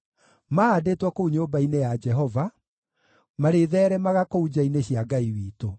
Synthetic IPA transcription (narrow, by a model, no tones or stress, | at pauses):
maːdeːtwɔkouɲoːbainejad͡ʒɛɦɔva | maɾeðɛːɾɛmaɣakoud͡ʑaineɕiaɡaiwiːto